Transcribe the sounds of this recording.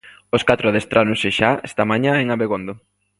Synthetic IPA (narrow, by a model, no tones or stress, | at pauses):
oskat̪ɾʊaðest̪ɾʔanoŋsɪʃaest̪amaɲaeŋaβeɣond̪o